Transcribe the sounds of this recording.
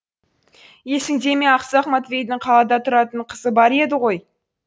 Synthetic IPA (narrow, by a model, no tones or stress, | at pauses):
je̞sɪŋd̪e̞me̞ɑqsɑχmɑt̪vʲe̞jd̪ɪɴqʰɑlˠɑd̪ɑt̪ʰʊɾɑt̪əɴqʰəzəbɑɾe̞d̪ɪʁo̞j